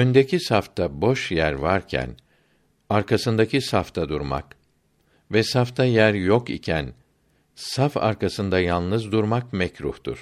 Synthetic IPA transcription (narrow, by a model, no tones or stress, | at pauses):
ønd̪ecʰisaft̪ʰabo̞ʃjæɾvaɾcʰæ̰n | aɾkasɯnd̪acisaft̪ʰad̪uɾma̰k | vɛsaft̪ʰajæɾjo̞kḭcʰæn | safa̰ɾkʰasɯnd̪ajanˠnɯzd̪uɾmak̚mɛcɾuht̪ṵɾ̥